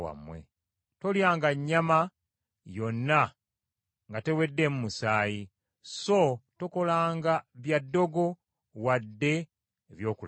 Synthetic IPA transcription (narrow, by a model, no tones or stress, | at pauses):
wa̰mwe̞̰ | to̞ljaːŋɡaɲːama | jo̞nːa | ŋɡate̞we̞dːe̞mumusaːji | so̞toko̞laːŋɡaβjadːo̞ɡo̞ | wadːe̞ː | βjo̞ːkul